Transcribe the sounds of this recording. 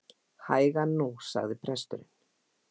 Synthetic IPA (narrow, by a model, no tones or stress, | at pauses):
haːjɣanusa̰ɣðɪpʰɾɛst̪ʏɾɪn